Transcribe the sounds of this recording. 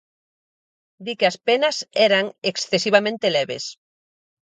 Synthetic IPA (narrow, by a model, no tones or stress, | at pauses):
d̪ikeɐspenɐsɛɾaŋeksθesiβamẽnt̪elɛβḛs